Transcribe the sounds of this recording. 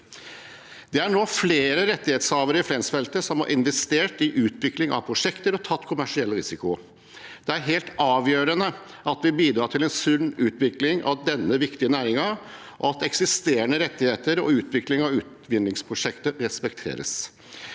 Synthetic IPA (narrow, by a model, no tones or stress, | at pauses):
d̪ɛæɳoːfleːɾəɾɛt̪ːɪheːt̪shɑːʋəɾəɪfɾɛnsfɛlt̪əsɔmhɑ̰ɾʔɪnʋɛst̪eːʈɪʔʉːt̪ʋɪklɪŋɑ̰ʋpʰɾʊʂɛkt̪əɾɔt̪ʰɑt̪ːkʰʊmæʂɪɛlːəɾɪsɪkʊ | d̪̥ɛæɾɦeːlt̪ɑːʋjøːɾənə | ʔɑt̪ʋɪbiːd̪ɾɑːʈ̪ʰɪlɛnsʉnːʉːt̪ʋɪklɪŋɑ̰ʋd̪ɛnːəʋɪkt̪ɪənæːɾɪŋɑ | ʔɔ̰ɑt̪ɛksɪst̪eːɾəɳəɾɛt̪ːɪheːt̪əɾɔ̰ʉːt̪ʋɪklɪŋɑʋʉːt̪ʋɪnlɪŋspʰɾʊʂɛkt̪əɾɛspɛkt̪ʰḛːɾə̰s